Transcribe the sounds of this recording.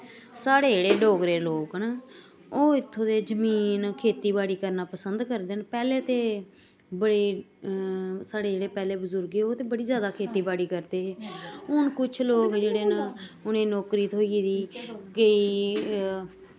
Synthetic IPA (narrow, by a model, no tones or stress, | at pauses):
saːɽeːd͡ʒeːɽeːɖoːɡɾeːloːknaː | oːɪt̪ʰːõːd̪eːd͡ʒəmiːnkʰeːt̪iːbaːɽiːkəɾnaːpəsənd̪kəɾd̪eːnpɛːleːt̪eː | bəɽeː | saːɽeːd͡ʒeːɽeːpɛːleːbəzʊɾɡeoːt̪eːbəɽiːzjaːd̪aːkʰeːt̪iːbaːɽiːkəɾd̪eːɦeːʊnkʊt͡ʃʰloːkd͡ʒeːɽeːnaːʊnẽːnɔːkɾiːt̪ɦoːid̪iːkəiː